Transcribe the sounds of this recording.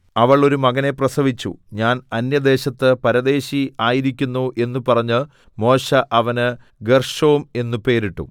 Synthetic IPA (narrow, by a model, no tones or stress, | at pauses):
ɐʋɐɭo̞ɾumɐɡɐne̞prɐsɐʋit͡ɕːṵɲaːnɐnjɐd̪e̞ːɕɐt̪ːɨpɐɾɐd̪e̞ːɕiaːjiɾikʲːunːuʔe̞nːupɐrɐɲːɨ | mo̞ːɕɐʔɐʋɐnɨ | ɡerʂoːume̞nːupe̞ːɾiʈːṵ